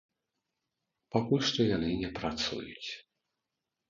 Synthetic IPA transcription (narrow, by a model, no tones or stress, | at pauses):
pakulʲʂt̪ɔjanɨnʲɛpɾat̪sṵjṵt͡sʲ